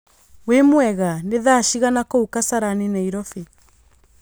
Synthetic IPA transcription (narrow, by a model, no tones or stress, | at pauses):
wemwɛɣaneðaʃiɣanakoukasaɾaninaiɾɔfe